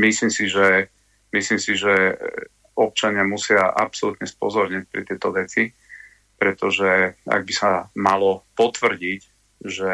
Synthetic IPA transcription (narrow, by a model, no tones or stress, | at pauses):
mislimsiʒɛ | mislimsiʒɛ | ɔp̚t͡ʃaɲɪamusɪaʔa̰psɔlut̪ɲɛspɔ̰zɔɾɲic̚pɾɛ̰t̪ɪɛt̪ɔʋɛt͡si | pɾɛt̪ɔʒɛa̰ɡ̚bisamalɔpɔt̪ʋr̩ɟic | ʒɛ